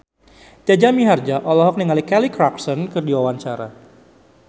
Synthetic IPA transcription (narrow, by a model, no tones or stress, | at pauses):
d͡ʒ̪ad͡ʒamiɦard͡ʒaʔɔlɔɦɔk̚niŋalikɛlikɾaksɔnkɨrdiwawaɲt͡ʃaɾa̰